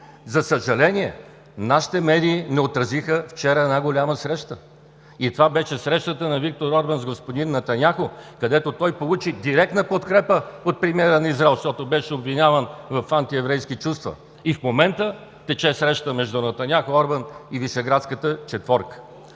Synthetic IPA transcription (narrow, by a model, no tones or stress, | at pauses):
zɐsəʒɐlɛnʲiɛ | naʃi̥t̪ɛmɛd̪iːnɛot̪ɾəzixəft͡ʃɛɾəɛnaɡolʲaməsɾɛʃt̪ə | it̪ovabɛʃɛsɾɛʃt̪ət̪ənɐvik̚t̪oɾɔɾbənzɡospod̪inːɐt̪ɐnʲaxokɐd̪ɛt̪ot̪ɔjpolˠut͡ʃid̪iɾɛk̚t̪nəpot̪kɾɛpəot̪̚pɾimʲiɛɾənɐizɾaɛlˠʃt̪ɔt̪obɛʃɛobvinʲavənvɐfant̪iɛvɾɛjskit͡ʃust̪və̰ | ifmomɛnt̪ə | t̪ɛt͡ʃɛsɾɛʃt̪əmɛʒd̪ʊnɐt̪ɐnʲjaxoɔɾbəniviʃɛɡɾat̪skət̪ət͡ʃɛt̪vɔɾk